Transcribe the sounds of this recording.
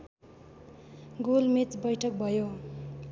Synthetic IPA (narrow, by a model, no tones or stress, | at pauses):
ɡolmet͡sbʌjʈʰʌk̚bʱʌjo